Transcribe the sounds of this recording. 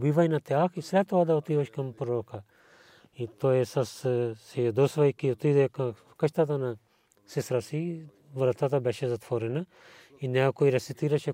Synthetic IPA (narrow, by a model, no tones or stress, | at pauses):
bivajnat̪ɛaxisɾɛt̪ːɔad̪aot̪iʋaʃkampɾɔɾɔka | it̪ɔjɛsassɛjad̪ɔsvajkiot̪id̪ɛka | kəʃt̪at̪ana | sɛst̪ɾasi | vɾət̪at̪abɛʃɛzat̪vɔɾɛna | inɛkakoiɾɛsit̪iɾaʃɛ